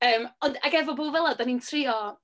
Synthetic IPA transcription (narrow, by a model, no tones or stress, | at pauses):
əːmɔndaɡɛvɔboːvɛlˠadanintʰrɪɔ